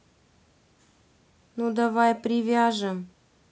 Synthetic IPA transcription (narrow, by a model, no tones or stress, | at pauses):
nud̪avajpɾʲɪvʲaʐɨm